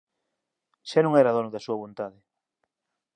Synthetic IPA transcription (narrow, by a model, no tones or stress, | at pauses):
ʃanũŋɛɾaðonʊðasuɐβont̪aðɪ